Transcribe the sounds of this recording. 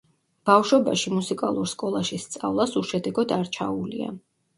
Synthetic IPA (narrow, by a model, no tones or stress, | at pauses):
b̥afʃɔbaʃimusikʼalˠuɾskʼɔlˠaʃist̪sʼa̰vlˠasuʃɛd̪ɛɡɔd̪aɾt͡ʃʰaulḭa̰